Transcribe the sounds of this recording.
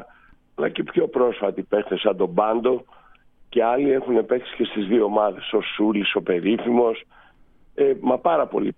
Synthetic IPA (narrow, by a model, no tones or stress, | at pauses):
ɐlɐcepço̞pɾo̞sfɐt̪ipe̞xθesɐnd̪o̞bɐnd̪o̞ | ce̞ɐlie̞xune̞pe̞ksi̥ce̞st̪izðioːmɐðe̞so̞suliso̞pe̞ɾifimo̞s | emɐpɐɾɐpo̞̰lḭ